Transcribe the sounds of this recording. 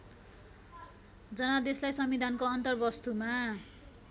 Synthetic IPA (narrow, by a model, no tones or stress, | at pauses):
d͡zʌnad̪eslajsʌmid̪ʱankoʌnt̪ʌrbʌst̪uma